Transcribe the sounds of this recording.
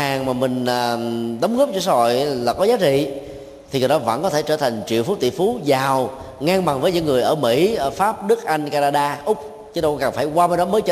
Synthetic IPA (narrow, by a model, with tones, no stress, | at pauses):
haː˨˩ŋmaː˨˩mï˨˩ŋ̟əː˨˩ɗə˨˦wŋ͡mɣə˦˥p̚t͡ɕɔ˧s̬aː˧ho̰˧˨jlaː˨˩kɔ˨˦zaː˨˦t͡ɕḭ˧˨ | t̪ʰi˨˩˨ɗɔ˨˦və̰˧˥nkɔ˨˦t̪ʰe˧˩t͡ɕəː˧˩t̪ʰa˨˩jŋ̟t͡ɕwḭ˧˨fu˨˦t̪ḭ˧˨fu˨˦zaː˨˩w | ŋaː˧ŋɓa˨˩ŋvəː˨˦jɲɨ̰˧˥ŋːɨ˨˩əjʔəː˧˩mḭ˧˥˧faː˦˥p̚ɗɨ˦˥k̚ʔa˧jŋ̟kaː˧naː˧ɗaː˧ʔʊ˦˥k͡p̚ | t͡ɕɨ˨˦ɗə˧wkaː˨˩ŋfaː˧˩jkwaː˧mə˨˦ɗɔ˨˦məː˨˦jt͡ɕː